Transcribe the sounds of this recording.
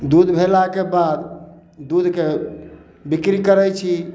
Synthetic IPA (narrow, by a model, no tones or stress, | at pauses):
d̪ud̪ʱbʱelakebad̪ | d̪ud̪ʱke | bikɾikəɾɛt͡ʃʰi